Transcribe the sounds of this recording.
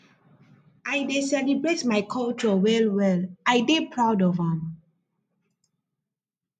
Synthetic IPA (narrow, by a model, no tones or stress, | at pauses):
ʔajdesɛlibɹetmajkʰɔlt͡ʃəwɛlwɛlajdepʰɹawdɔvãm